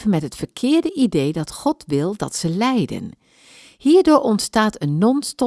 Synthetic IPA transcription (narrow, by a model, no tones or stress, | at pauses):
vənmɛtɦətfəɹkʰɪːɹdəʔidejdɑtχɔtʋɪlˠdɑ̰tsəlɛjdə̰n | hiːɹdʊːɹɔntstaːtənːɔnstɔ